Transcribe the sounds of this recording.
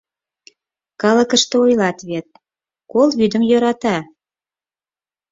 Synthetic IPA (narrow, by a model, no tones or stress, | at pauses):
kɑləkə̆ʃt̪ɤojlɑt̪βet̪̚ | kolβyd̪ə̆mjøɾɑt̪ɑ